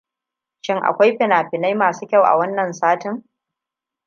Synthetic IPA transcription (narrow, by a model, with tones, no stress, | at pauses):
ʃɪ˦ŋʔa̰˨kʷa˦jɸɪ˨naː˨ɸɪ˨na˦jmaː˨suː˦kʲɐ˦˨wʔa̰˨wɐ˦nːɐ˨nsaː˦tɪ˦ŋ